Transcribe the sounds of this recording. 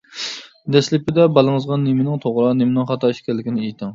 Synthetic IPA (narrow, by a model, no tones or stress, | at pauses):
d̪ɛslɪpɪd̪ɛbɑlˠɨŋəzʁɑnːemɪnɪŋt̪ʰoʁɾɑnemɪnɪŋχɑt̪ʰɑiʃkʲʰɛlːɪkʲinɪejt̪ʰɪŋ